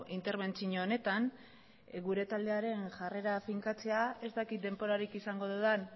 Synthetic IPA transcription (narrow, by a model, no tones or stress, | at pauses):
int̪e̞ɾβe̞nt͡siɲoːne̞t̪an | ɡuɾe̞t̪ald̪e̞aɾe̞nʝare̞ɾafiŋkat͡se̞ae̞st̪akit̪̚d̪e̞mbo̞ɾaɾikisaŋɡo̞ðeðan